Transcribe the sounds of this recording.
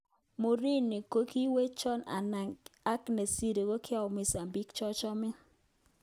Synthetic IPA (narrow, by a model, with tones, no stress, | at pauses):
mʊ˨ɾi˦ni˨ko˦ki˦we˦t͡ʃɔ˦na̰˨na˨ŋɡa˦kne˨si˦ɾe˨ɡo˦kʰɪ˦a˨mɪ˨sa˨mbi˦kt͡ʃɔ˦t͡ʃɔ˦mɪ˦